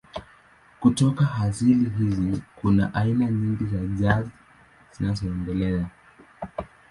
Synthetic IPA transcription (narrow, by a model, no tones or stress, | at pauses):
kutɔkaɦaziliɦizikunaʔainaɲiŋɡizaʄazi | z̥inazɔɛndɛlɛa